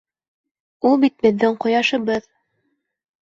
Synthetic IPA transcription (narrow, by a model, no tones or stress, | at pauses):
ulˠbit̪̚bɘ̆ðːɘŋqŏjɑʃɤ̆βɤð